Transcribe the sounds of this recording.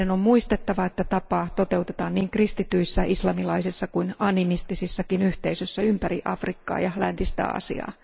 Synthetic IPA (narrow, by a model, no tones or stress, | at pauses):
eno̞mmuist̪e̞t̪ːɑʋɑe̞t̪ːæt̪ɑpɑːt̪o̞t̪e̞wt̪e̞t̪ɑːnniːŋkrist̪it̪yisːæʔislɑmilɑisisːɑkuinɑnimist̪isisːɑkinyht̪eisøsːæympæɾiʔɑ̰frikːɑ̰ːjɑlænt̪ist̪æ̰ɑ̰sḭɑ̰ː